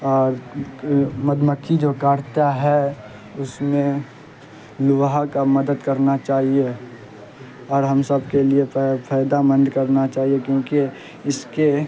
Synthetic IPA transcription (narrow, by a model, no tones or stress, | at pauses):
ɔːɾ | məd̪məkʰːid͡ʒoːkaːɾt̪aɦɛ | ʊsmẽ | lʊʋɦakamɐd̪əd̪kɐɾnat͡ʃaːɦie | ɔːɾɦɐmsəbkeliepʰaːjd̪amə̃nd̪kɐɾnat͡ʃaːɦiekjõːki | ɪske